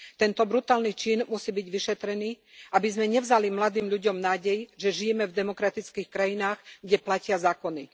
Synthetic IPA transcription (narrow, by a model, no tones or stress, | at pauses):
t̪ɛnt̪ɔbɾut̪aːlnit͡ʃiːnmusiːbiɟʋiʃɛt̪ɾɛniː | ʔabizmɛɲɛvzalimlad̪iːmʎuɟɔmnaːɟɛjʒɛʒijɛmɛvd̪ɛmɔkɾat̪it͡skiːxkɾajinaːɣɡɟɛplacɪazaːkɔni